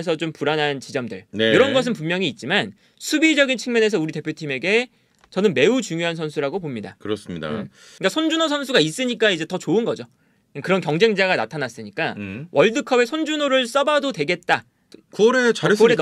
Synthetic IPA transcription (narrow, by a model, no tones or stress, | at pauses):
esʰʌt͡ɕompuɾanɦant͡ɕid͡ʑʌmdɯ̰ɭnejoɾʌnɡʌs̬ʰɯnpunmjʌŋiːt̚t͡ɕ͈iman | sʰubid͡ʑʌɡint͡ɕʰɯŋmjʌne̞sʰʌuɾite̞pʰjotʰime̞ɡe̞ | t͡ɕʌnɯnme̞ut͡ɕuŋjoɦansʰʌns̬ʰuɾaɡopomɲida̰kɯɾʌs͈ɯmɲida̰ | k͈asʰond͡ʑunos̬ʰʌnsʰuɡais͈ɯɲik͈aid͡ʑe̞tʌt͡ɕoɯnɡʌd͡ʑo | akɯɾʌnkjʌŋd͡ʑe̞ŋd͡ʑaɡanatʰanas͈ɯɲik͈awʔʌɭdɯkʰʌbe̞sʰond͡ʑunoɾɯɭs͈ʌbadodwe̞ɡe̞t̚t͈a | kuʌɾeʌe